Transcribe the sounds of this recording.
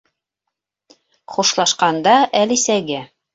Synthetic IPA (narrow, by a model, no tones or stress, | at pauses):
χuʃlˠɑʃqɑnd̪ɑʔælisæɡæ